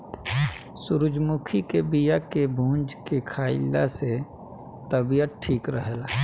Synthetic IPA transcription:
sʊɾʊd͡ʒmʊkʰikebijakebʱũːnd͡ʒkekʰaːɪlːase | t̪əbijət̪̚ʈʰiːkɾəɦela

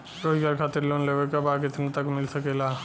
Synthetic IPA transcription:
ɾoːɡaɾkʰaːt̪ɪɾloːnleʋekabaːket̪ʰənt̪ɐkmɪlsɐkeːla

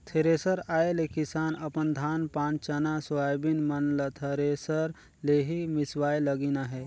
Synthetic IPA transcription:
t̪ʰeɾesəɾaːelekɪsaːnɐpənd̪ʱaːnpãːnt͡ʃɐnasoaːjbinmənlət̪ʰɐɾesəɾ | leɦimɪswaːeləɡinaɦɛː

